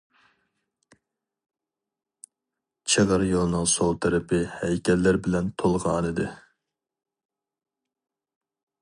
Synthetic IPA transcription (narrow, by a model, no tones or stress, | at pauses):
t͡ʃʰeʁəɾjolˠnɨŋsowt̪ʰæɾɪpʰɪhɛjkʲɛlːɪɾbɪlɛnt̪ʰolˠʁɑːnɨd̪ɨ